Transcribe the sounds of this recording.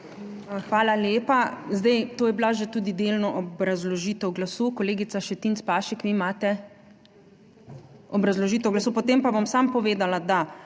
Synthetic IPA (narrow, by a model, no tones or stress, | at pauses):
xʋaːlaljeːpazd̪ɛjt̪oːjɛblaʒɛt̪ud̪id̪eːlnɔʔɔbɾazlɔʒiːt̪ɛwɡlasukɔleːɡitsaʃɛt̪int̪spaːʃɛkʋimaːt̪ɛ | ɔbɾazlɔʒiːt̪ɛwɡlasupɔt̪empaʋamsampɔʋeːd̪alad̪a